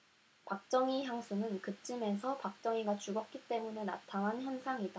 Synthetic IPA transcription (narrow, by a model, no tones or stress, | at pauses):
pak̚t͡ɕ͈ʌŋiçjaŋsʰunɯnkɯt͡ɕ͈ɯme̞s̬ʰʌpak̚t͡ɕ͈ʌŋiɡat͡ɕuɡʌk̚k͈it͈e̞mune̞na̰tʰanançjʌnsʰaŋida